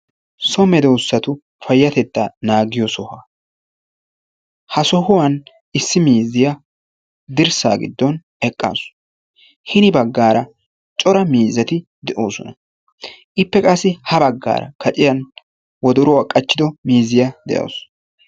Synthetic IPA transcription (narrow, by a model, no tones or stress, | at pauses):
sɔmɛd̪ɛʊsːɐt̪ʊ | fɐjːɐt̪ɛt̪ːanaːɡɪjɔsɔhaː | hɐsɔhʊwɐn | ɪsːɪmiːzɪjɐ | d̪ɪɾsa̰ːɡɪ̰d̪ːɔn | ɛkʼːa̰ːs | hɪnɪbɐɡːaːɾɐ | t͡ʃʼɔɾɐmiːzɐt̪ɪ | d̪ɛʔoːsɔ̰nɐ | ʔɪpːɛkʼɐsːɪhɐbɐɡːa̰ːɾɐ̰kʰɐt͡ʃʼɪjɐn | wɔd̪ɔɾɔwaːkʼɐt͡ʃːɪd̪ɔmiːzɪjad̪ɛ̰ʔo̰ːs